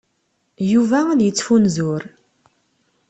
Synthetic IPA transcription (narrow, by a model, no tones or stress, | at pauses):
juvæðjət͡sːfunzʊɾ